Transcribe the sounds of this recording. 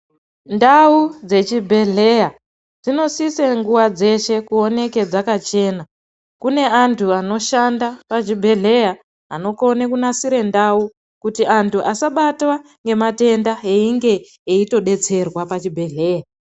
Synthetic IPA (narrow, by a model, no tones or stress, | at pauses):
ndaud͡ze̞t͡ʃibʱe̞ɮe̞ja | d͡zino̞siseŋɡuʋad͡ze̞ʃe̞kuo̞ne̞ke̞d͡zakat͡ʃe̞ːna | kune̞antʰuano̞ʃandapat͡ʃibʱe̞ɮe̞ja | ano̞ko̞nekunasiɾe̞ndau | kutiantʰuʔasaɓatwa | ŋɡe̞mate̞ndaeiŋɡe̞ | eito̞ɗe̞t͡se̞rwapat͡ʃibʱe̞ɮe̞ːja